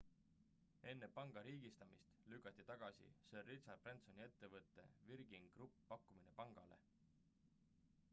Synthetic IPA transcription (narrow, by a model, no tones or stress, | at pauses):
e̞nːepɑŋɡ̥ɑɾiːɡ̥ist̪ɑmist̪lykːˑɑt̪ːˑit̪ɑɡ̥ɑsḭserːit̪sɑprent̪so̞nʲie̞t̪ːevɤt̪ːˑe̞̰virɡ̥iŋɡ̥ɾupːɑkːumine̞pɑŋɡ̥ɑ̰le̞̰